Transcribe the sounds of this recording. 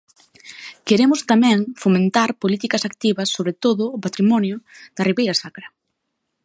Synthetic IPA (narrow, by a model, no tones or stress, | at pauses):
keɾemʊst̪amɛ̃ŋfomẽnt̪aɾpolit̪ikɐsakt̪iβɐsːoβɾet̪oðʊːpat̪ɾimɔnjʊd̪̥ɐriβejɾɐsakɾɐ